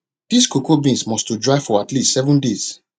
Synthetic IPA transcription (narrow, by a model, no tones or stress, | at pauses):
d̥iskokobĩnsmɔstudɹaɪfɔatlistsɛvɔ̃ndez̥